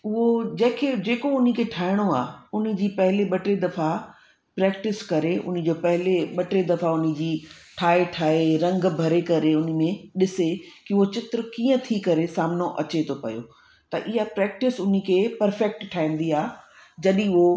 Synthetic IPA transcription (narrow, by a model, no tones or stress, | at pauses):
ʊɦod͡ʑɐ̃ːkʰed͡ʑeːkoʊnĭkʰeʈʰaːɪɽ̃oaːʊnɪ̆d͡ʑiːpɐɦɪleɓɐʈed̪ɐfa | pɾɛːk̚ʈɪskɐɾeʔʊ̰nɪ̆d͡ʑoːpɐɦɪleɓɐʈed̪ɐfaʊnɪ̃̆d͡ʑiːʈʰaːeʈʰaːeɾɐ̃ŋɡbʱɐɾekɐɾeʊnə̆mẽɗɪsekiʊɦot͡ɕɪt̪ɾəkĩːə̃t̪ʰikɐɾesaːmnoʔɐt͡ɕet̪ʰopɐ̰jo̰ | t̪ɐʔɪɦapɾɛːk̚ʈɪsʊnikʰepɐɾfɛːk̚ʈʈʰːaːĩːn̆d̪iaːd͡ʑɐɗĩɦo